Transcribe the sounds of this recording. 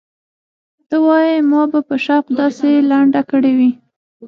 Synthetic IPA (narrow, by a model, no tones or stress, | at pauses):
d̪̥əwɑjimɑbapəʃaqd̪ɑselaɳɖakəɽewi